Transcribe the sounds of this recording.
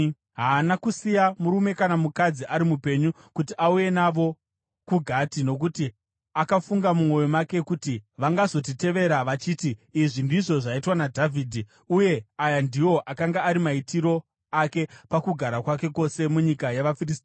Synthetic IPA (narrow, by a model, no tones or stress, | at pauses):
ɦaːnakusijamuɾume̞kanamukad͡ziʔaɾimupe̞ɲu | kutiʔauje̞naʋo̞ | kuɡʱatino̞k̬uti | akafuŋɡamumo̞jomake̞kutiʋaŋɡazo̞t̬ite̞ʋe̞ɾaʋat͡ʃiːtiːʐindiʐo̞ʐaitwanadʱavʱiːdʱi | uje̞ajandiwo̞ʔakaŋɡaaɾimaitiɾo̞ | ake̞pakuɡʱaɾakwake̞ko̞se̞muɲikajaʋafiristː